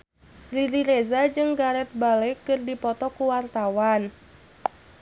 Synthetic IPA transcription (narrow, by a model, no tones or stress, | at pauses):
riɾiɾezad͡ʒɨŋɡaɾɛt̪̚balɛkːɨrdipɔt̪ɔkuwart̪awan